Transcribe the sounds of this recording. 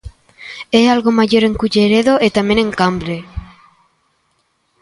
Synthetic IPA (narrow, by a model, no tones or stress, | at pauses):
ɛalɣomaʎoɾeŋkuʎeɾeðoʔet̪amẽnẽŋkambɾe